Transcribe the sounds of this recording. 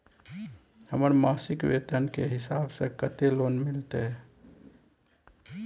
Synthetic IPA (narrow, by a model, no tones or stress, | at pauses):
həməɾmasɪkwḛt̪ənkeɦɪsaːbsə̃kət̪eloːnmɪlt̪e